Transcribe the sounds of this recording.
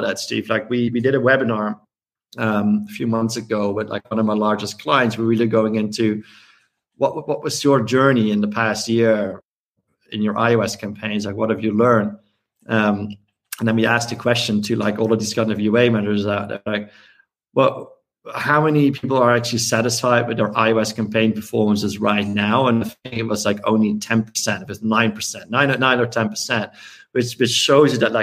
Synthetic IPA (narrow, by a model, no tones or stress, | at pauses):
ɾətstḭv̥laɪkwiwidɨɾəwɛbɨnɑɹ | ʌ̃məfjʉmʌ̃nθsɨɡoʊwɪðla̰ɪkwʌ̃nʌvmaɪlɑɹd͡ʒɨskʰl̥aɪɨ̃ntswəwilˠɨɡoʊɪ̃ŋɪ̃ntʰʉ | wʌʔwʔwʌʔwʌzjə˞d͡ʒɜ˞niɪ̃nðəpʰæst̚jɪɹ | ɪ̰̃njə˞ʔa̰ɪoʊɛskʰæ̃mpʰẽɪ̃nzlaɪkwʌɾ̚hɨvjɨlɜ̃˞nd | ʌ̃m | ə̃n̩ðə̃nwiæskɨkʰw̥ɛst͡ʃɨ̃ntʰɨla̰ɪkɔlˠəvðɪskʰãɪ̃nɨvjʉeɪmɛɾə˞zaʊt̚ðə̰˞laɪk̚ | wɛlˠ | haʊmɛnipʰipl̩ˠə˞æk̚t͡ʃʉl̩ˠisæɾɨsfaɪd̚wɨðə˞ʔa̰ɪoɛskæ̃mpʰẽɪ̃npʰə˞fɔɹmə̃nsɨzɹaɪtⁿnaʊə̃naɪθɪ̃ŋkɨt̚wʌzlaɪkõ̰ʊ̃nlitʰɛ̃npʰə̥˞sɛ̃ntʌɨtnãɪ̃npʰə˞sɛ̃nʔːãɪ̃nnãɪ̃nə˞tʰɛ̃npʰə˞sɛ̃nt̚ | wɨt͡ʃwɨt͡ʃʃoʊzjɨðɨt̚ˡlaɪ